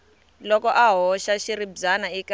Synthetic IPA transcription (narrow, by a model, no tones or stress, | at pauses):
lɔkɔʔaɦɔʃaʃiɾibd͡zanaik